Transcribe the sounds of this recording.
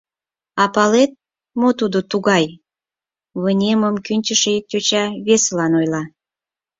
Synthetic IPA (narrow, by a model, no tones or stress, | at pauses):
ɑpɑlet̪̚ | mot̪ud̪ot̪uɣɑj | βənʲeməmkynʲt͡ɕəʃetʲot͡ɕɑβeselɑnojlɑ